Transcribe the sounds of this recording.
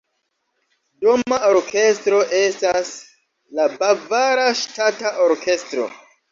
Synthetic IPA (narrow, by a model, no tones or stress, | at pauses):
domao̞ɾkʰe̞stɾo̞ʔe̞stas | labavaɾaʃtataʔoɾkʰe̞stɾo̞̰